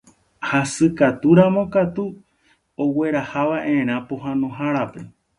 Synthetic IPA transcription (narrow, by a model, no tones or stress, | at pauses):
hasɨkat̪uɾamõ̞kat̪u | owe̞ɾahaʋaʔẽɾ̃ãpoɦãnõɦaɾape̞